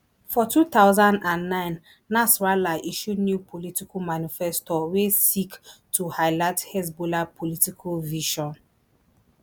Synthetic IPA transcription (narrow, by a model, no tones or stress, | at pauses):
fɔtʰut̪aʊzãndãnːãɪ̃nː | asɹalaʔiʃunjupʰolitikʰumanifɛstɔwesiktʰuhaɪlaɪthɛsbolapʰɔlitikʰɔlviʃɔ̃n